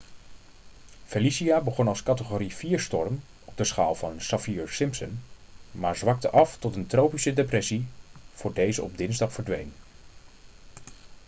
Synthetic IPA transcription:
felisiaːbəχɔnɑlˠskɑtəχoːɾiviːɹstɔɹm | ɔb̚dəsχa̰ːlˠvɑnsɑfiːɹsɪmpsən | maːɹzʋɑk̚təʔɑftɔtəntrowpisədeprɛsiv̥ʊːɹdejzəɔb̚dɪnzdɑχfəɹdʋḛjn

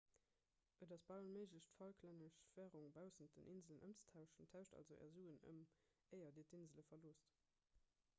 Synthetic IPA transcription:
ʔədɑsb̥aʊənməɪʒləɕtfɑlkʰlæŋəʃv̥æːʁuŋbaʊsənt̚dənʔinzələnʔə̰mt͡sə̥tʰaʊʃəntʰaʊɕtɑ̰lzoʔɛ̰ːɐzuːənə̰m | əɪɐdiːtinzələfɐloːst

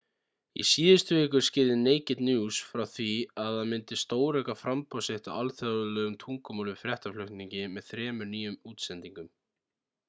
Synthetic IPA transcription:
ḭsiːðɪst̪veːkʏ̥scɪððɪneːjcɪt̪njuːsfɾawθviaðaðmɪnt̪ɪst̪oːwɾɛkafɾampawsɪht̪aalθjaðʏlœːɣʏmt̪ʰuŋkɔmuːlʏfɾjɛht̪aflʏxt̪niɲcɪmɛðθɾɛːmʏɾniːjʏmuːt̪sɛnt̪iŋkʏm

